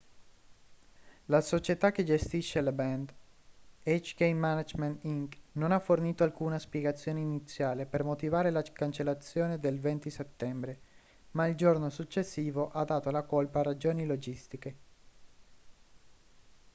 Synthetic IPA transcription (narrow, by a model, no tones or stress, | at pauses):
lasot͡ʃet̪ak̟ːed͡ʒest̪iʃːelabɛnd̪ | et͡ʃkejmanad͡ʒment̪iŋknonafːorniːt̪oalkuːnaspjeɡat̪sːjoːneinit̪sːjaːlepermot̪ivaːɾelakant͡ʃelːat̪sːjoːned̪elvɛnt̪iset̪ːɛmbɾe | maild͡ʒornosut͡ʃːesːiːvoʔad̪ːaːt̪olakolpaːrad͡ʒoːnilod͡ʒist̪ike